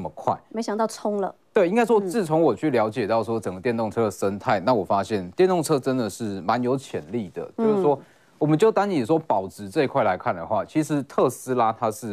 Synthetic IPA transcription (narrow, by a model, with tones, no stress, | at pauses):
mə˩kʰwa̰˥˩ɪme˧˥ɪɕjɑ˨˩ŋt̪ɑ˥˩ʊt͡sʰʊ˥ŋlə̰˨t̪we˥˩ɪi˥ŋka˥ɪʂwɔ˥t͡sɹ̩˥˩t͡sʰo˧˥ŋwɔ˨˩t͡ɕʰy˥˩ljɑ˧˥ʊt͡ɕjɛ˨˩t̪ɑ˥˩ʊʂwɔ˥ʈ͡ʂə˨˩ŋɡə˦t̪jɛ˥˧nt̪o˥˩ŋʈ͡ʂʰɤ˥d̪ə˨˩ʂə˦˥nt̪ʰa˥˩ɪna˥˩wɔ˨˩fa˦ɕjɛ˥˩nt̪jɛ˥˧nt̪ʊ˥˩ŋʈ͡ʂʰɤ˥ʈ͡ʂə˦nd̪ə˨ʂɻ̩˥˩ma˧˦njo˧˥ʊt͡ɕʰjɛ̰˨˩nli˥˨˩d̪ə̰˩t͡ɕjo˧˦ʂ̩˥˩wɔ˦˥ | wɔ˨˩mə˦nt͡ɕjo˥˩ʊt̪a˥ŋi˨˩ʂwɔ˥pɑ˨˩ʊʈ͡ʂɻ̩˨˩t͡sɤ˥˧ɪkʰwa˥˩ɪla˧˥ɪkʰa˥˩nd̪ə̰˩xwa̰˥˩t͡ɕʰi˧˥ʂɻ̩˧˥t̪ʰɤ˥˧s̩˥la˥t̪ʰa˥ʂɻ̩˥˩